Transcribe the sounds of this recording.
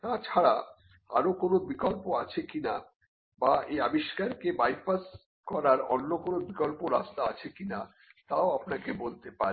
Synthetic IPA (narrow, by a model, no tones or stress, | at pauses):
t̪at͡ɕʰaɽa | a̰ɾokonobikɔlpoat͡ɕʰekina | baeabiʃkaɾkebajfas | kɔɾaɾo̰nːokonobikɔlpoɾast̪aat͡ɕʰekina̰ | t̪aoapnakebolt̪epaɾ